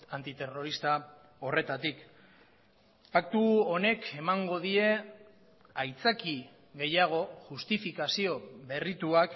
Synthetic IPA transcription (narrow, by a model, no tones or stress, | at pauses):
ant̪it̪e̞ro̞ɾist̪a | o̞re̞t̪at̪ik | pakt̪uone̞kʰe̞maŋɡo̞ðie̞ | ajt͡saki | ɣe̞jaɣ̞o̞ʝust̪ifikasio̞βe̞rit̪uak